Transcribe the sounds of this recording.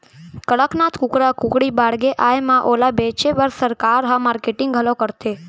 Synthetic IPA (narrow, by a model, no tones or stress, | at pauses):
kəɭəknat̪ʰkʊkɾakʊkɽibaɽɡeʔajmãʔolabet͡ʃebəɾsəɾkaɾɦãmaɾkeʈɪŋɡɡʱəlokəɾt̪e